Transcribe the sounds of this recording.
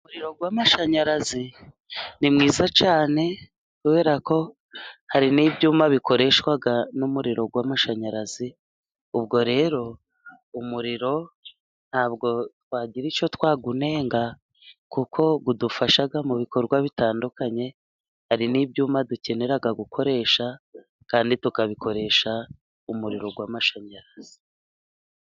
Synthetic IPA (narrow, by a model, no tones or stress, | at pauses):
umuɾiɾo̞ɡwaːmaʃaɲaɾazi | nimŋiːzat͡ʃaːne̞ | kuβe̞ːɾako̞ | haɾiniːbɟuːmaβiko̞ɾe̞ʃkwaɡanumuɾiɾo̞ɡwamaʃaɲaɾazi | ub̚ɡo̞ɾe̞ːɾo̞ | umuɾiɾo̞ | n̥haːb̚ɡo̞twaːɟiɾit͡ʃo̞twaːɡune̞ːŋɡa | kukʰo̞ɡudufaʃaɡamuβiko̞ɾɡwaβitaːndukaɲe̞ | haɾiniːbɟuːmaduce̞ne̞ɾaɡaɡukʰo̞ɾe̞ːʃa | kaːnditukaβikʰo̞ɾe̞ːʃa | umuɾiɾo̞ɡwamaʃaɲaɾaz̥i̥